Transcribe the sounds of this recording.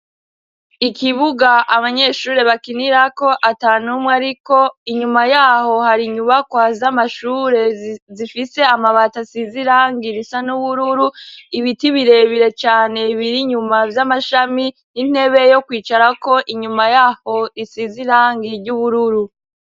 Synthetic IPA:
ikʰiβuɡaʔaβaɲe̞ːʃuːɾe̞βakiniɾako̞ʔataːnumŋaɾiko̞iɲumajaːho̞haɾiɲuβakwazamaʃuːɾe̞zifise̞amaβatasiziɾaːŋɡiɾisanuβuɾuɾuiβitiβiɾe̞βiɾe̞t͡ʃaːne̞βiɾiɲumavjamaʃami | nin̥he̞βe̞jo̞kwiːt͡ʃaɾako̞ʔiɲumajaːho̞isiziɾaːŋɡiɾɟuβuɾuɾu

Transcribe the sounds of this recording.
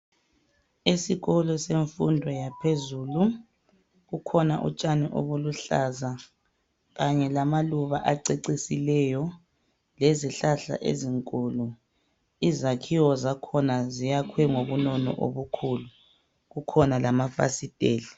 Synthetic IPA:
esiɣɔlɔseɱfundʱwɔjapʰezuːlu | ɣukʰɔna̰ʔṵt͡ʃʼaniʔo̰βuluɬaza | ɣaɲɛlamaluβaʔaǀeǀisilɛjɔ | leziɬaɬa̰ʔḛziŋkʼuːlu | izakʰiwɔzakʰɔnazijakʰwɛŋoβunɔnɔ̰ʔo̰βukʰuːlu | ɣukʰɔnalamafa̰sitʼeːli

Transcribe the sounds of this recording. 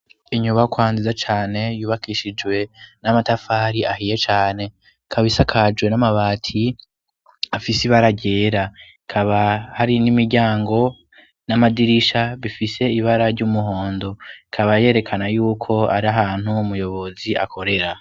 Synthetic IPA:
iɲuβakwaːnzizat͡ʃaːne̞juːβakiʃid͡ʒwe̞namatafaːɾiahije̞t͡ʃaːne̞ | kʰaβisakʰad͡ʒwe̞namaβaːtʰi | afisiβaɾaɟe̞ːɾa | kʰaβahaɾinimiɾɟaːŋɡo̞ | namadiɾiʃaβifise̞iβaɾaɾɟumuɦo̞ːndo̞ikʰaβaje̞ːɾe̞kʰanajuːkʰo̞a̰ɾiaɦaːn̥huumujo̞βo̞ziʔa̰kʰo̞ɾe̞ɾa

